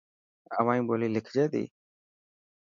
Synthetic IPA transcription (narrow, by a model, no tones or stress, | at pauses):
ə̰ʋãːĩːboːliːlɪkʰd͡ʒeːd̪ḭː